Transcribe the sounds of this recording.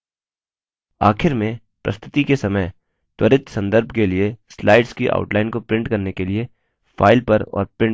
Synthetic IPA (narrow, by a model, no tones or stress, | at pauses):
a̰ːkʰɪɾmẽ | pɾʔɐ̰st̪ʰɪ̥t̪ikesɐməj | t̪wɐɾɪt̪sɐ̃nd̪əɾbʱkelieslaːɪɖskiʔa̰ːʊʈlaːɪnkopɾɪ̃ɳʈkɐɾnekelie | faːɪlpɐɾɔ̰ːɾpɾɪ̃ɳ